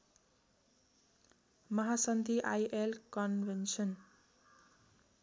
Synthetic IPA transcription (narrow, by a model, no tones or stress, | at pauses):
mʌɦasʌnd̪ʱiʔajʔelkʌnbensʌn